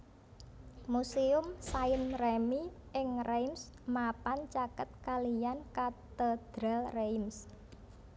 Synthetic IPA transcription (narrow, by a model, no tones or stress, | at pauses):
musiʊmsaɪnremiʔɪŋrejms | mapant͡ʃakət̪̚kalijankat̪əd̪̥ɾalrejms